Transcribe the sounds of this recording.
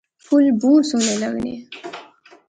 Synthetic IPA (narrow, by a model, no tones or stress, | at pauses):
pʰulbuːɾsunelaɡnḭ